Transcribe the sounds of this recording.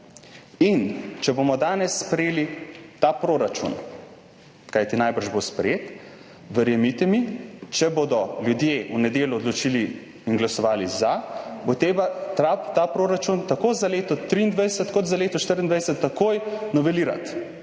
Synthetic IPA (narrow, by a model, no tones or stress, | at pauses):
int͡ʃɛbomɔd̪aːnɛsːpɾɛjeːlit̪apɾoːɾat͡ʃṵn | kajt̪inajbəɾʒbospɾɛjeːt̪ | ʋəɾjɛmit̪ɛmit͡ʃɛbod̪ɔljud̪jeʔunɛd̪eːljuɔd̪lɔt͡ʃiliː | nɡlasɔʋaːlizabot̪ɾeːbat̪ɾat̪aːpɾoːɾat͡ʃunt̪akoːzaleːt̪ɔt̪ɾiːnd̪ʋajsət̪kɔd̪zaleːt̪ɔʃt̪əɾind̪ʋajsɛt̪ːakojnɔʋɛliːɾa̰t̪